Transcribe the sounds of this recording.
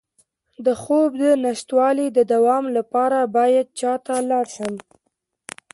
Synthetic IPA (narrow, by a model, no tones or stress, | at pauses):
d̪əxob̚d̪ənaʃt̪wɑlid̪əd̪awɑmlapɑɾabɑjad̪̚t͡ʃɑt̪alɑɾʃəm